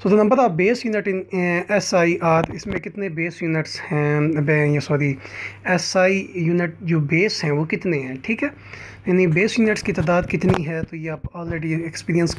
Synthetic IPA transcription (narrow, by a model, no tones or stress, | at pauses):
soːd̪oːnəmbəɾaːbeːsjuːnɪʈɪnɛsaːiːʔaːt̪ɪsmẽːkɪt̪nẽːbeːsjuːnɪʈshɛ̃ːbɛ̃ːjãːsɔːɾiːɛsaːiːjuːnɪʈd͡ʒoːbeːsɦɛ̃ːʋoːkɪt̪nẽːɦɛ̃ːʈʰiːkɦɛː | ɪniːbeːsjuːnɪʈskiːt̪aːd̪aːd̪kɪt̪niːɦɛːt̪ʊiːaːpaːlɾeːɖiːɛkspiːɾijəns